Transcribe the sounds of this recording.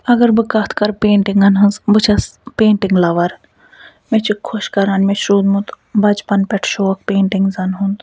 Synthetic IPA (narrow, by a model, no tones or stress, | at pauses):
ɐɡɐɾbɨkɐt̪ʰkɐɾpeːɳʈiŋɡɐnɦɐnzbɨt͡ʃʰɐspeːɳʈɪŋɡlɐʋɐɾ | met͡ʃʰikʰːoʃkɐɾɐnmeʃɾuːd̪mut̪ | bɐd͡ʒpɐnpɛʈʰʃoːk̚peːɳʈɪŋɡzɐnɦũnd̪